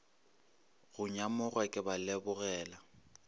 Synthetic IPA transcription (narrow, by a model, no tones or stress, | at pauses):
ɣʊɲamʊɣwakʼɪbalɛbʊɣɛːla